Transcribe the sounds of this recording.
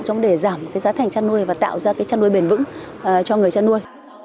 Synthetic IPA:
t͡ɕɔ˧wŋ͡mɗe˧˩zaː˧˩mkaː˨˦jzaː˨˦t̪ʰɛ˨˩ŋ̟t͡ɕaː˧nu˧əjvaː˨˩t̪a̰ː˧˨wzaː˧kaː˨˦jt͡ɕaː˧nːu˧əjɓe˨˩nvɨ̰˧˥ŋ˨˩t͡ɕɔ˧ŋɨ˨˩əjt͡ɕaː˧nːu˧əj

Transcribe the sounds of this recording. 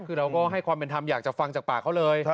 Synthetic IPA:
kʰɯː˧ɾa˧wkɔː˥˩ɦa˥˩jkʰwaː˧mpe˧nt̪ʰa˧mjaː˨˩k̚t͡ɕa˨˩fa˧ŋt͡ɕaː˨˩k̚paː˨˩kʰa˥˩wlɤː˧j

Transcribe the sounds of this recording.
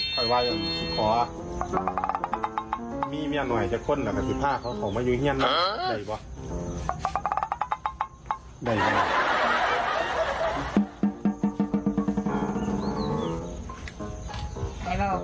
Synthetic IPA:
kʰɔ˨˩jwa˧˩ja˧˩˧sʰi˧˩kʰɔː˨˦ | miː˧˥˨mi˧˩ə˨ŋnɔ˨˩jt͡ɕaː˧˩kʰːo˧˥˨nlaː˧˩ka˧˩pi˧˩p̪ʰaː˧˥˨kʰa˧˩wkʰa˨˩wmaː˧˥˨uː˧hi˧˥ənːa˧˥˧da˧˨˧jbɔ˧˦ | da˧˩jb

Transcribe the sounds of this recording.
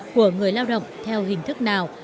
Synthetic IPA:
ku˧˩əŋɨ˨˩əjlaː˧wɗə̰˧˨wŋ͡mt̪ʰɛ˧wɦï˨˩ŋ̟t̪ʰɨ˦˥k̚naː˨˩w

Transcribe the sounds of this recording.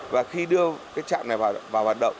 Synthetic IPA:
vaː˨˩xi˧ɗɨ˧əkkaː˨˦jt͡ɕa̰ː˧˨ŋ͡mna˨˩vaː˨˩vaː˨˩whwaː˨˩t̚ɗə̰˧˨wŋ͡m

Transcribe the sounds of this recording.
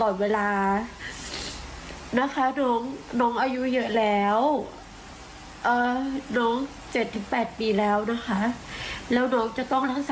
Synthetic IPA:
lɔː˨˩nweː˧laː˧ | na˦˥kʰa˦˥nɔː˦˥ŋnɔː˦˥ŋʔaː˧ju˦˥jɤ˦˥lɛː˦˥w | ʔɤː˨˩nɔː˦˥ŋ | t͡ɕe˨˩t̪ʰːɯː˩˦ŋpɛː˨˩t̪̚piː˧lɛː˦˥wna˦˥kʰa˦˥ʔlɛː˦˥wnɔː˦˥ŋt͡ɕa˨˩t̪ɔ˥˩ŋɾa˦˥˩ŋsa˩

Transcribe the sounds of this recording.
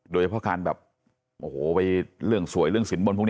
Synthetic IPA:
doː˧t͡ɕʰa˧pʰɔ˦˥˩kʰaː˧nbɛː˨˩p̚ | ʔoː˧˩oː˨˩˦wa˧jɾɯ˥˩əŋsu˨˩˦jɾɯ˥˩əŋsi˨˩˦nbo˧npʰn˧˥˧

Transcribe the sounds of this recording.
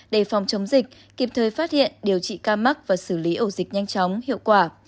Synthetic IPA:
ɗe˧˩fɔ˨˩wŋ͡mt͡ɕə˨˦wŋ͡mzï˨˩k̚ | ki˨˩p̚t̪ʰəː˨˩jfaː˦˥t̚hḭ˧˨ənɗi˨˩əwt͡ɕḭ˧˨kaː˧ma˦˥k̚vaː˨˩sɨː˧˩li˨˦ʔəː˧˩zi˨˩k̚ɲa˧jŋ̟t͡ɕɔ˨˦wŋ͡mhḭ˧˨əwkwaː˧˩

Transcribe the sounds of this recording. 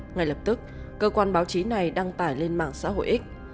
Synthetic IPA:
ŋa˧˩jləː˨˩p̚t̪ɨ˦˥k̚ː | əː˧kwaː˧nɓaː˨˦wt͡ɕi˨˦na˨˩jɗaː˧ŋt̪aː˧˩jle˧nma̰ː˧˩˨ŋsa̰ː˧˥ɦo̰˧˨jʔi˦˥k̟̚

